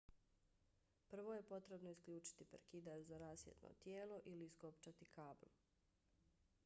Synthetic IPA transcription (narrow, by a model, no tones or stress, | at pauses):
pr̩ʋo̞je̞po̞t̪ɾe̞bnoiskʎuːt͡ʃi̥t̪ipeɾkid̪aɾzaɾaːsjḛt̪no̰t̪jeːlo̞ʔilisko̞pt͡ʃat̪ikaːblṵ